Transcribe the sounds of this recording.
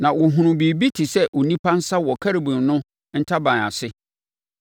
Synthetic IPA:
nã˨wʊ˨ɦʊ̃˨ɾʊ̃˨bi˨bi˦tʰɪ˨sɛ˦ʔo˨nĩ˦pʰã˦n̩˦sa˦wɔ˨kʰa˦ɾe˨bũ˨nnʊ̃˦ | n̩˦tʰa˦bã˨na̰˨sɪ˦

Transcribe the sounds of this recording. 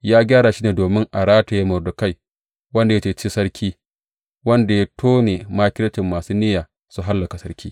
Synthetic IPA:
jaː˦ɡʲaː˦ɽaː˨ʃi˦neː˨doː˨mɪ˦ŋʔa˨ɽaː˦ta˨ja˦mʊ˨rdʊ˨ka˦j | wɐ˦nda˨ja˦t͡ʃeː˨t͡ʃi˦sɐ˦ɾkʲʰiː˦ | wɐ˦nda˨ja˦tʰoː˦ne˨maː˦kʲɪ˦lɐ˦t͡ʃɪ˨mːaː˨suː˦nɪ˦jaː˨ | su˨ɦa˦lːɐ˨ka˨sɐ˦ɾkʲiː˦

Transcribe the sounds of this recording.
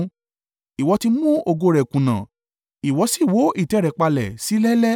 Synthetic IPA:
i˨wɔ˧ti˧mũ˦o˧ɡo˧ɾɛ˨kũ˨nã̰˨ | i˨wɔ˨˧˦si˦˨wo˨˦i˦˨tɛ˨˦ɾɛ˨k͡pa˧lɛ̰˨si˨˦lɛ˦lɛ˦

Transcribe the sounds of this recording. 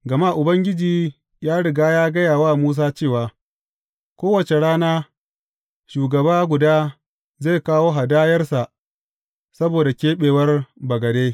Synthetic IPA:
ɡɐ˨ma˦˨ʔʊ˨bɐ˦ŋɡʲɪ˦d͡ʒiː˨ | jaː˦ɽɪ˨ɡaː˦jaː˦ɡɐ˦jaː˨waː˦˨muː˦s̬aː˦t͡ʃeː˦˨waː˨ | kʷoː˦wɐ˨t͡ʃe˨ɽaː˦naː˦ | ʃuː˨ɡɐ˨baː˦ɡʷʊ˨daː˦ | ze˦˨kaː˦woː˦ɦa˨daː˦jɐ˦rsa˨ʔ | sɐ˦boː˨da˨kʲeː˦ɓeː˨wɐ˦rbɐ˨ɡɐ˨deː˦

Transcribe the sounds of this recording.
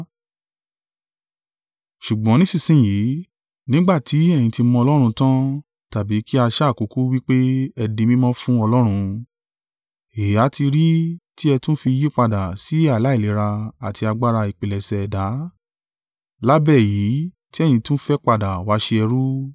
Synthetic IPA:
ʃu˨ɡ͡bɔ̃˨˦nĩ˦sĩ˦˨sĩ˦˨ji˨˦ | nĩ˦ɡ͡ba˦˨tʰi˨˦ɛ˦˨j̃ĩ˧ti˧mɔ̃˧ɔ˧lɔ˦ɾ̃ũ˧tã˦ | ta˨bi˨˦ki˦a˧ʃa˦˨ku˨˦ku˦wi˦k͡pe˦ɛ˧dĩ˧mĩ˦mɔ̃˦fũ˦ɔ˧lɔ˦ɾ̃ũ˧ | e˨˦a˨˦ti˧ɾi˦ti˦ɛ˧tũ˦fi˧ji˦k͡pa˧˨da˨si˨˦a˦˨la˨˦i˦˨le˨˦ɾa˧a˨ti˧a˧ɡ͡ba˦ɾa˧i˨k͡pe˨lɛ˨sɛ˨da˨˦ | la˦bɛ˦˨jiː˨˦ | ti˦ɛ˦˨j̃ĩ˧tũ˦fɛ˦k͡pa˧˨da˨wa˨˦ʃe˧ɛ˧ɾu˦

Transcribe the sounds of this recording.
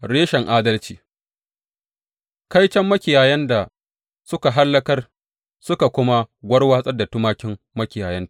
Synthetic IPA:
ɽeː˦ʃɛ˨ŋʔaː˦dɐ˦lt͡ʃiː˨ | ka˦jt͡ʃɐ˦mːɐ˦kʲɪ˨jaː˨jɐ˦nda˨ | sʊ˦ka˨ɦa˦lːɐ˦kɐ˦r | sʊ˦ka˨kʷʊ˦ma˦ɡʷɐ˦ɽwaː˦sʼɐ˦da˨tʊ˦maː˦kʲɪ˦mːɐ˦kʲɪ˨jaː˨jɐ˦nta˨ʔ

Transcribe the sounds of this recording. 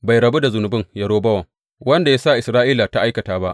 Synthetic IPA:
ba˨jɾɐ˨be˦da˨zʊ˨nʊ˨bɪ˦ŋjɐ˨ɽoː˦bɐ˦wɐ˨ŋ | wɐ˦nda˨ja˦sa˦˨ʔɪ˨sɾaː˦ʔiː˦laː˨ta˦ʔa˦jkɐ˨taː˦ba˦ʔ

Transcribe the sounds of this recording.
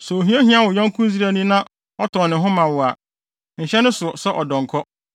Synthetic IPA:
sɔ˨o˨ɦĩ˦e˦hĩ˦a˦wʊ˨ɲã˦ŋ˦kʰũ˦zi˦ɾa˨nĩ˦nã˦ | ɔ˦tʰɔ˨nɪ̃˨ɦʊ̃˦mã˨wʊ˨a˨ | n̩˨ɕɛ˦nʊ̃˦sʊ˨sɛ˦ʔɔ˨dɔ̃˨ŋ˨kʰɔ˦

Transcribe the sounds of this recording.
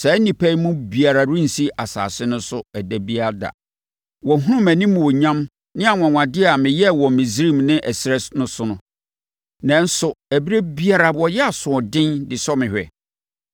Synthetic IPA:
sɛ˨˦nĩ˨pʰæ˦i˦mũ˦bi˨a˨ɾa˨ɾʊ̃˦n̩˨si˦ʔa˨sa̰ː˨sɪ˦nʊ̃˦sʊ˦æ˨dæ˨bi˦a˦da̰˨ | wɔ̃˨ɦũ˦ɾʊ̃˦mæ̃˨nĩ˦m̃˨wɔ˨ɲã˦m | nɪ̃˦a˨ŋã˨ŋʷã˨dɪ˦˨a˨mɪ̃˨jɛ˦˨wɔ˨mɪ̃˨zɾĩ˦˨mnɪ̃˦ʔɛ˨sɾɛ˦snʊ̃˦sʊ˦nʊ̃˦ | nã˨n̩˦sʊ˨æ˨bi˦ɾe˦bi˦a˨ɾa˨wɔ˨jɛ˦a˨sʊ̃˨ɔ˨dɪ̃˦ndɪ˨sɔ˦mɪ̃˨hᶣɛ̰˨

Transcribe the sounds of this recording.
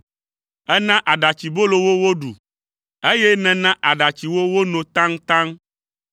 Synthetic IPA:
ɛ˦nã˦ʔa˨ɖa˨t͡ɕi˨bo˦lo˨wo˦wo˦ɖu˨ | e˦jɛ˦nɛ̃˨nã˦ʔa˨ɖa˨t͡ɕi˨wo˦wo˦nɔ̃˨t̪ã˦ŋt̪ã˦ŋ

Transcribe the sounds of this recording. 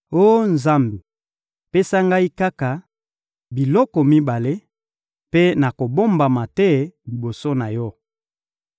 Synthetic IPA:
o˦nza˦mbi˨ | pe˦sa˦ŋɡa˦i˦ka˦ka˨ | bi˨lɔ˦kɔ˨mi˦ba˨le˦ | pe˦na˨ko˨bo˦mba˨ma˨tɛ˦li˨bo˨so˦na˨jɔ˦

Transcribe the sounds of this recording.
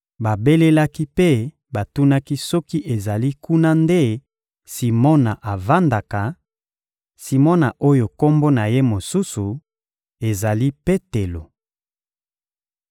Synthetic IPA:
ba˨be˦le˦la˦ki˦pe˦ | ba˨tu˦na˦ki˦sɔ˦ki˦ʔe˨za˨li˦ku˦na˦nde˦ | si˨mɔ˦na˨ʔa˨va˦nda˨ka˨ | si˨mɔ˦na˨ʔo˦jo˨ko˦mbo˦na˨je˦mo˨su˦su˨ | e˨za˨li˦pe˦te˨lo˨

